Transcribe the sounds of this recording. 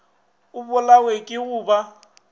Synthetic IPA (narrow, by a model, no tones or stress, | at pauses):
ʊbʊlawekʼɪɣʊːba